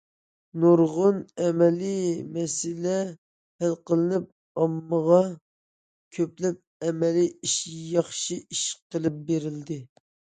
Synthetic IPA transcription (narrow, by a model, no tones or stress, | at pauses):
noɾʁʊnɛmɛlimɛsɪlɛ | hælqəlˠɨnɪp̚ | ɑmːəʁɑ | kʲʰøplɪp̚ɛmɛliiʃjɑχʃiiʃqʰəlˠɨp̚beɾɪld̪ɪ